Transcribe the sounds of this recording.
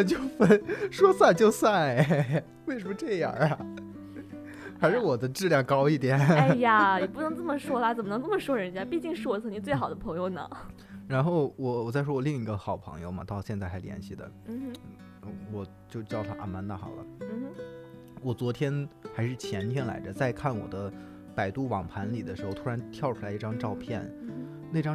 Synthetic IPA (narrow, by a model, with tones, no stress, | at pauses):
t͡ɕjo˥˩ʊfə˥nʂwɔ˥sa˥˧nt͡ɕjo˥˧ʊswa˥˩nɛ | we˥˩ɪʂ̬ə˧˥mə˧ʈ͡ʂɤ˥˩ja̰˥˩˨ | xa˧˥ɪʂɻ̩˥˩wɔ˨˩d̪ə˦ʈ͡ʂɻ̩˥˧ljɑ˥˩ŋkɑ˥ʊi˥˩t̪jɛ˨˩˦nn˥˧a˩ji˨˩pu˥˩nɤ˧˥ŋt͡sə˥˩mə˩ʂwɔ˥la˨˩t͡sə˨˩mə˦nɤ˧˥ŋt͡sə˥˩mə˩ʂwɔ˥ɻə˧˥nt͡ɕja˥pi˥˧t͡ɕi˥˧ŋʂɻ̩˥˩wɔ˨˩t͡sʰɤ˧˥i˥˧t͡swe˥˩ɪxɑ˨˩ʊd̪ə˦˥pʰɤ˧˥ŋjo˥˧ʊnə̰˧˩ | ɻa˧˥nxo˥˩ʊwɔ˨˩wɔ˨˩t͡sa˥˩ɪʂwɔ˥wɔ˨˩li˥˩ŋi˧˥ɡə˧xɑ˨˩ʊpʰɤ̰˧˥ŋjo̰˥˧ʊmɐ̰˨˩t̪ɑ˥˧ʊɕjɛ˥˧nt͡sa˥˩ɪxa˧˥ɪljɛ̰˧˥nɕi˥˩d̪ə̰˩˥˩ | wɔ˨˩ | t͡ɕjo˥˧ʊt͡ɕjʊt̪ʰa˥ʔa̰˥˩nma˧˥nt̪a˥˩xɑ̰˨˩ʊlə̰˦˥˧ | wɔ˨˩t͡swɔ˧˥t̪ʰjɛ˥nxa˧˥ɪʂɻ̩˥˩t͡ɕʰjɛ˧˥nt̪ʰjɛ˥nla̰˧˥ɪdə˧t͡sa˥˧ɪkʰa˥˩nwɔ̰˨˩d̪ə˦ | pa˨˩ɪt̪u˥˩wɑ˨˩ŋpʰa˧˥nli˨˩d̪ə˦ʂɻ̩˧˥xo˧ʊt̪ʰu˥ɻa˧˥nt̪ʰjɑ˥˩ʊʈ͡ʂʰu˥la˧˥ɪi˥˩ʈ͡ʂɑ˥ŋʈ͡ʂɑ˥˧ʊpʰjɛ˥˩n | ne˥˩ʈ͡ʂɑ˥ŋ